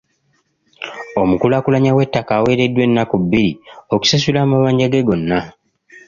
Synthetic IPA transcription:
o̞mukulakulaɲawe̞tːakaːwe̞ːɾe̞dːwe̞nːakubːiɾio̞ku̥sas̬ulaːmaβaːɲɟaɡeɡo̞nːa

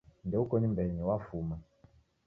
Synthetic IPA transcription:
ndɛukɔnimbɛɲɛwafuma

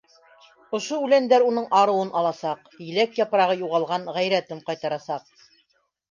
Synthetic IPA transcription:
ŏʃoʉlænd̪æɾunɤɴʔɑɾɤ̆wɤnʔɑlˠɑsɑq | jɘ̆lækjɑpɾɑʁɤjuʁɑlˠʁɑnʁæjɾæt̪ɘmqɑjt̪ɑɾɑsɑq̚

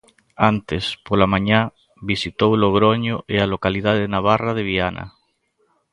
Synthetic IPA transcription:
ant̪espolamãɲa | bisit̪owloɣɾoɲoʔealokaliðaðenaβ̞arað̞eβ̞iana̰

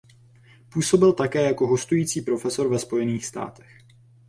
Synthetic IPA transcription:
puːso̞bɪlt̪akɛːjako̞ɦo̞st̪ujiːt͡siːpɾo̞fɛso̞ɾvɛspo̞jɛniːxst̪a̰ːt̪ɛ̥x

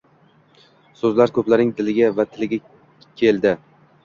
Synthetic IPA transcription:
sɵzlaɾkʰɵplaɾnɪŋd̪ɪlɪɡʲavat̪ʰɪlɪɡʲa | kʲʰe̞ld̪ɪ

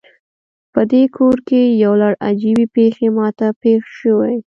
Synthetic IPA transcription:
pəd̪ekʰoɾkejawlaɽa̰d͡ʒibepexemɑt̪apexʃəwej

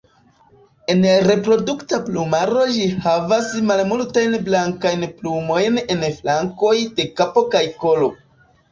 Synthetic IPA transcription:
e̞nɾe̞pɾo̞duktaplumaɾo̞d͡ʒihavasmalmultajnblaŋkajnplumo̞jne̞nflaŋko̞jde̞kapo̞kajko̞lo̞

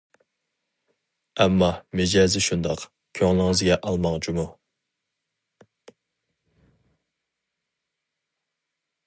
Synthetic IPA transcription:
ɛmːɑmɪd͡ʒɛːzɪʃund̪ɑq | kʲʰøŋlˠəɪŋɨzɡʲɛʔɑlˠmɑŋt͡ʃʰumu

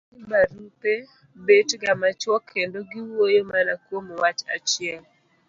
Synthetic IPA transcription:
baɾupe | betɡamat͡ʃwɔkʰendoɡiwojomanakwomwat͡ʃat͡ʃɪɛl

